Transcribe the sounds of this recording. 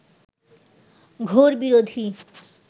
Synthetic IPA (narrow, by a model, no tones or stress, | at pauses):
ɡʱoɾbiɾod̪ʱi